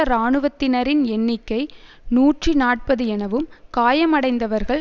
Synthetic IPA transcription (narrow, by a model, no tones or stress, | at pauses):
ɐɾaːɳɯʋɐt̪ːɪnɐɾɪnɛnːɪkːɐɪ | nuːʈrinaːʈ̚pɐðɯɛnɐʋɯmkaːjɐmɐɽɐɪnd̪ɐʋɐɾɣɐɭ